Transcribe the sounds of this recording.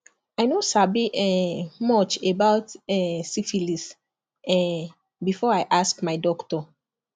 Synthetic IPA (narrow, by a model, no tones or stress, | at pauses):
ajnosabiʔɛmɔt͡ʃebaʊtɛsifilis | ɛ̃ | bifɔajʔaskmaɪdɔktɔ